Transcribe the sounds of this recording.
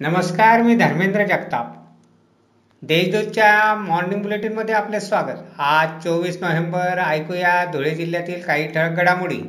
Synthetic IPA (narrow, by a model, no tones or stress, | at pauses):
nəməskaɾmiːd̪ʱəɾmend̪ɾəd͡ʑəkt̪ap | d̪eɕd̪ud̪t͡ɕjamɔɾɖiŋɡbuleʈinmːəd̪ʱːjeaplesʋaɡət̪at͡soʋiːsnoʋembəɾajkujad̪ʱoɭed͡ʑil̤jat̪iːlkaɦiːʈʰəɭək̚ɡəɽamuɽḭː